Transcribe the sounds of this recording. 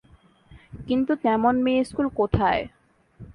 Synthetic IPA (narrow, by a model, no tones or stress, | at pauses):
kint̪ut̪ɛmonmeeskulkot̪ʰae